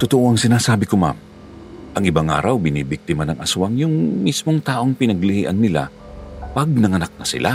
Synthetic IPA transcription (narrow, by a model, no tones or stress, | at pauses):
t̪ʊt̪oʔo̞ʔɐŋsɪnaːsaːbɪkoma̰m | ʔɐŋʔɪbaŋʔa̰ːɾɐwbɪniːbɪk̚t̪ɪmanɐŋʔɐswɐŋjʊŋmismoŋt̪aːʔo̞ŋpɪnɐɡlɪhiːʔɐnːɪla̰ | pɐɡ̚nɐŋɐnak̚nɐsɪ̰lʔa